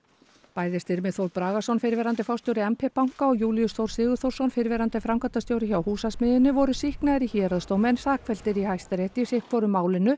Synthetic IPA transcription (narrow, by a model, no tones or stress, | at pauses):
paːjðɪst̪ɪɾmɛðθowɾpɾaːɣasɔnfɪɾvɛɾant̪ɪfawst̪jowɾɪɛmpʰɛpawŋ̥kaɔɣjuːlijʏsθowɾ̥sɪːɣʏɾ̥θowɾ̥sɔnfɪɾvɛɾant̪ɪfɾamkʰat̪ast̪jowɾɪçawhuːsasmɪðɪnːʏvɔɾʏsihknaɪɾiçɛːɾaðst̪owmɛnsaːkfɛlt̪ɪɾihajst̪aɾeht̪ɪsɪhkvɔɾʏmaːwlɪnʏ